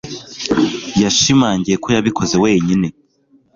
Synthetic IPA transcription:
jaʃimaːɲɟije̞ko̞jaβiko̞ze̞weːɲine̞

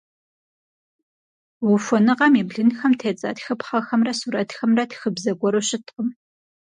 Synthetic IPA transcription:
wʊfʷɔnɨqɐmibɮɨnxɐmtʰeːt͡sʼɐ̰txɐpχɐxɐmrɐsuːɾɐtxɐmrɐtʰxɨbzɐɡʷɔɾoɕɪtqəm

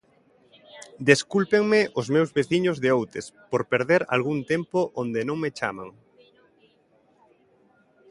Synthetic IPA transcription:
d̪eskulpeŋmeʔʊzmewzβeθiɲʊzðɪowt̪espoɾpeɾðeɾa̰lɣ̞uŋt̪empoʔond̪ɪnõŋmet͡ʃa̰mã̰ŋ

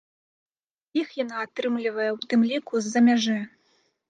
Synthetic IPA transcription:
ixjanaːt̪ɾɨmlʲivɐjɛwt̪ɨmlʲikuzːɐmʲaʐɛ

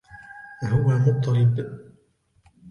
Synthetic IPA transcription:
hʊwamʊt̪ˤːɑlɪb

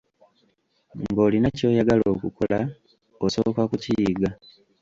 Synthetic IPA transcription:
ŋɡo̞ːlinaco̞ːjaɡalo̞ːkuko̞la | oso̞okakucijːɡa

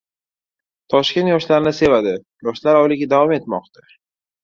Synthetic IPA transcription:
t̪ʰɒʃkʲe̞nt̪jɒʃlaɾnɪse̞vad̪ɪ | jɒʃlaɾɒwlɪɡʲad̪avɒme̞t̪mɒqt̪ʰḁ

